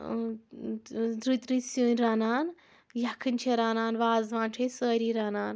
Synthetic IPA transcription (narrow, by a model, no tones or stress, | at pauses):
d̪ɾut̪ɾisjuːnʲɾaːnaːn | jakʰɨnt͡ʃʰeɾaːnaːnʋaːzʋãːnʈʰesəːɾiːɾaːnaːn